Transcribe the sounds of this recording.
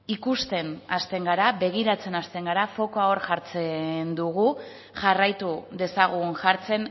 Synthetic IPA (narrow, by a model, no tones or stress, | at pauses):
ikust̪e̞nast̪e̞ŋɡaɾaβe̞ɣ̞iɾat͡se̞nast̪e̞ŋɡaɾafo̞ko̞ao̞ɾʝaɾt͡se̞nd̪uɣ̞u | ʝarajt̪uðe̞saɣ̞unʝaɾt͡se̞n